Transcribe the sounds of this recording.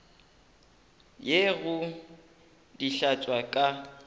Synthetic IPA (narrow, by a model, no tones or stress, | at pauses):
jeɣʊ | diɬat͡sʼwakʼa